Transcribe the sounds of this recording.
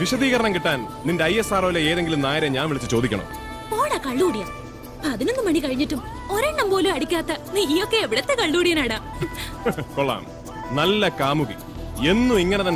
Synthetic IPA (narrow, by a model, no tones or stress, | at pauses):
ʋiɕɐðiːɣɐɾɐɳɐmkiʈːaːnnindeɐjesaːroːileeːðe̞ŋɡilumnaːjɐɾɐɲaːnʋiɭit͡ɕːɨt͡ɕo̞ːd̪ikʲːɐɳɐ̰m | po̞ːɽɐkɐɭːuːɽijɐ | pɐðinonːumɐɳikɐɻiɲːiʈːum | o̞ɾeːɳɖɐmpoːluɐɽikʲːaːt̪ːɐniːjo̞kːe̞ːʋiɽet̪ːekɐɭːuːɽijɐnaːɽaː | koɭːa̰ːm | nɐlːɐkaːmuɣi | e̞nːuiŋːɐne̞t̪ɐnː